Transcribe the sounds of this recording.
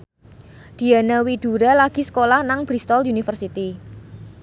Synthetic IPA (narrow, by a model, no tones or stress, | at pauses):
d̪̥i̤anawiɖ̥ṳɾalaɡ̥i̤sə̥kolahnaŋb̥ɾist̪ɔlunifərsit̪i